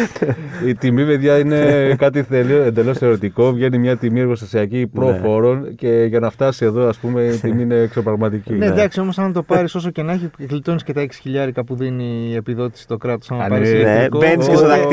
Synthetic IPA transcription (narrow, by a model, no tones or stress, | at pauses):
it̪imipe̞ðʝɐine̞kɐt̪ielioend̪e̞lo̞st̪e̞o̞ɾit̪iko̞vʝe̞nimɲɐt̪imieɾɣo̞st̪ɐsiɐcipɾo̞fo̞ɾo̞nce̞ʝɐnɐft̪ɐsie̞ðo̞ɐspume̞it̪imiine̞ːksopɾɐɣmɐt̪icined̪ɐksio̞mo̞sɐnt̪o̞pɐɾiso̞soce̞nɐçiɣlit̪onisce̞t̪ɐeksi̥çiʎɐɾikɐpuðinie̞piðo̞t̪isi̥t̪o̞kɾɐt̪o̞sɐnpɐɾiskobeniseot̪ɐk